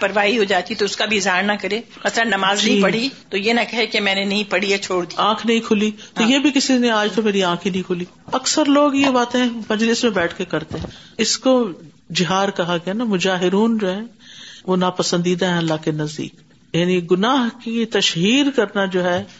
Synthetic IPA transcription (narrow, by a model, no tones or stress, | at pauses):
pɐɾʋaːɦiɦod͡ʒaːt̪it̪oʊskabʱiɪzɦaːɾnɐkɐɾeː | mɐslə̃nnːɐmaːznɐɦipɐɽ̤it̪ojenɐkɐɦekemɛ̃ːnenɐɦĩpɐɽ̤iat͡ʃʰoːɽd̪iãːkʰnɐɦĩkʰʊlit̪ojebʱikɪsineaːd͡ʒt̪omeːɾiãːkʰinɐɦĩkʰʊli | ɐksəɾloːɡjebaːt̪ẽɦɛ̃mɐ̃d͡ʒlɪsmẽbɛːʈʰkekɐɾt̪eɦɛ̃ɪsko | d͡ʒɪɦaːɾkɐɦaɡɐjanamʊd͡ʒaːɦɪɾuːnd͡ʒoːɦɛ̃ːʋonapɐsə̃nd̪iːd̪aɦɛ̃ɐlːaːkenɐzd̪ḭːk | jaːniɡʊnaːɦkit̪ɐʃɦiːɾkɐɾnad͡ʒoːɦɛː